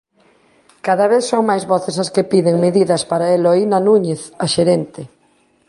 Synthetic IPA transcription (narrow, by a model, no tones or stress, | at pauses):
kaðɐβ̞eθsoŋmajzβɔθesɐskepiðeŋmeðiðɐspaɾaeloinanũɲeθaʃeɾent̪e